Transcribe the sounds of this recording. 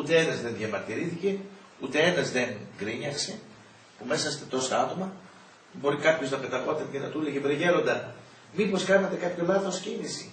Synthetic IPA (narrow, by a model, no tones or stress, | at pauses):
ut̪e̞enɐzðe̞nðʝɐmɐɾt̪iɾiθice̞ | ut̪e̞e̞nɐzðe̞ŋɡɾiɲɐkse̞ | pume̞sɐst̪et̪o̞sɐɐt̪o̞mɐ | bo̞ɾikɐpço̞znɐpet̪ɐpo̞t̪ɐncenɐt̪ulecevɾiʝe̞ɾo̞nd̪ɐ | mipo̞skɐnet̪e̞kɐpço̞lɐθo̞scinisi